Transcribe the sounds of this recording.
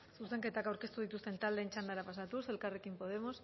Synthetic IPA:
susθeŋket̪akawɾkest̪uð̞it̪ust̪ent̪ald̪ent͡ʃand̪aɾapas̬at̪use̞lkarekimpo̞ð̞emos

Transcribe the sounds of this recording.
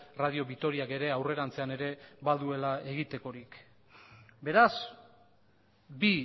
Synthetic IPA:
raðio̞βit̪o̞ɾiake̞ɾe̞awre̞ɾant͡se̞ane̞ɾe̞βaðue̞lae̞ɣit̪e̞ko̞ɾik | be̞ɾas | bi

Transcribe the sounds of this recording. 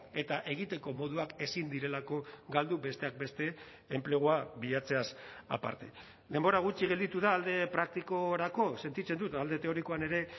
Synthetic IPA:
e̞t̪aʔe̞ɣ̞it̪e̞ko̞mo̞ð̞uake̞sind̪iɾe̞lako̞ɡald̪ube̞st̪e̞ak̚be̞st̪e̞ː | mple̞ɣ̞uaβiʎat͡se̞asa̰pa̰ɾt̪e̞̰ | d̪e̞mbo̞ɾaɣ̞ut͡ʃiɣe̞ld̪it̪uðaːld̪e̞pɾak̚t̪iko̞ɾako̞se̞nt̪it͡se̞nd̪ut̪ald̪e̞t̪e̞o̞ɾiko̞ane̞ɾe̞

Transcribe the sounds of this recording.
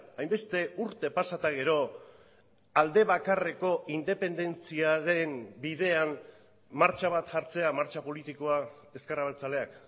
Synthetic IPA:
ajmbe̞st̪e̞uɾt̪e̞pasat̪aɣ̞e̞ɾo̞ | ald̪e̞βakare̞ko̞ʔind̪e̞pe̞nd̪e̞nt͡siaɾe̞nbið̞e̞an | maɾt͡ʃaβ̞at̪ʝaɾt͡se̞amaɾt͡ʃapo̞lit̪iko̞a | e̞skeɾraβelt͡sale̞ak

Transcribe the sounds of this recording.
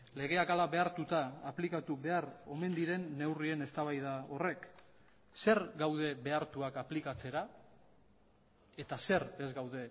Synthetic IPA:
le̞ɣ̞e̞akalaβe̞aɾt̪ut̪aːplikat̪uβe̞aɾo̞me̞nd̪iɾe̞nːe̞wrie̞ne̞st̪aβajðao̞re̞k | se̞ɾɡawð̞e̞be̞aɾt̪uakaplikat͡se̞ɾa | e̞t̪ase̞ɾe̞zɡawðe̞

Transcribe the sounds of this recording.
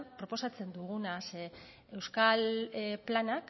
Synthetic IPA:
pɾo̞po̞sat͡se̞nd̪uɣ̞unase | e̞wskalplanak

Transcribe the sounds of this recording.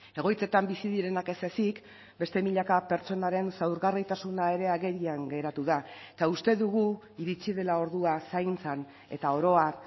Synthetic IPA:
e̞ɣ̞o̞jt͡se̞t̪ambisiðiɾe̞nake̞se̞sik | be̞st̪emiʎakape̞ɾt͡so̞naɾe̞nsawɾɣarit̪asunae̞ɾe̞aɣe̞ɾiaŋɡe̞ɾat̪uðaet̪aust̪e̞ðuɣu | iɾit͡siðe̞lao̞ɾðuasajnt͡san | e̞̰t̪ao̞ɾo̞ak

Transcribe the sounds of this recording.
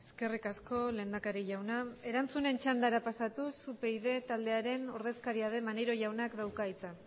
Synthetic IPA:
eske̞rikasko̞le̞ːnd̪akaɾiʝawnae̞ɾant͡sune̞nt͡ʃand̪aɾapasat̪usupe̞iðe̞t̪ald̪e̞aɾe̞noɾðe̞skaɾiaðe̞maneɾo̞ʝawnakd̪awkait͡sa

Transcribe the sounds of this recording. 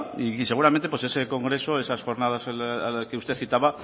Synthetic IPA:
ise̞ɣ̞uɾament̪epwe̞se̞se̞ko̞ŋɡɾe̞soesasxo̞ɾnað̞askeust̪e̞θit̪aβa

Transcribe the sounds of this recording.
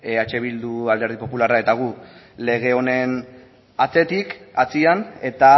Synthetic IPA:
at͡ʃe̞βild̪uald̪e̞ɾðipo̞pularae̞t̪aɣ̞u | le̞ɣ̞e̞o̞ne̞n | at͡se̞t̪ikat͡siane̞t̪a

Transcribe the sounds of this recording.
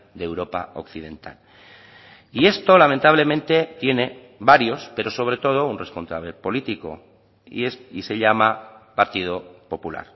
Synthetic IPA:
d̪ewɾo̞pa̰o̰kθið̞ẽ̞nt̪a̰l | ie̞st̪o̞lamẽnt̪aβ̞le̞mẽnt̪e̞t̪je̞ne̞ | βaɾjo̞spe̞ɾo̞so̞β̞ɾe̞t̪o̞ð̞o̞unre̞sponsaβlepo̞lit̪iko̞̰ | ḭsise̞ʎamapaɾt̪ið̞o̞po̞pula̰ɾ

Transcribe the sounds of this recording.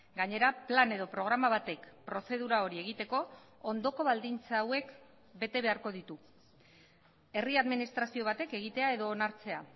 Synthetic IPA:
ɡaɲe̞ɾaplane̞ðo̞pɾo̞ɣ̞ɾamaβ̞at̪e̞kpɾo̞se̞ð̞uɾao̞ɾie̞ɣ̞it̪e̞ko̞ | ond̪o̞ko̞βald̪int͡saːwe̞k | be̞t̪e̞β̞e̞aɾko̞ð̞it̪u | e̞riaðminist̪ɾasio̞βat̪e̞ke̞ɣ̞it̪e̞ae̞ðo̞ːnaɾt͡se̞a

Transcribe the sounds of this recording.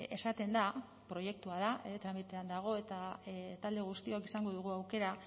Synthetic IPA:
e̞̰sat̪e̞nd̪a | pɾo̞je̞k̚t̪uaðat̪ɾamit̪e̞and̪aɣ̞o̞e̞t̪at̪ald̪e̞ɣ̞ust̪iokisaŋɡo̞ðuɣ̞uawke̞ɾa

